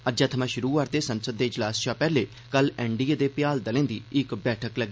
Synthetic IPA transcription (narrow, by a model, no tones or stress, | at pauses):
əd͡ʒaːt̪ʰəmãːʃʊɾuːʋaːɾt̪eːsənsəd̪ːeːɪd͡ʒlaːsʃaːpɛːleː | kəlɛːɳɖiːeːd̪eːpɪjaːld̪əlẽːd̪ḭːɪkbɛːʈʰəkləɡiː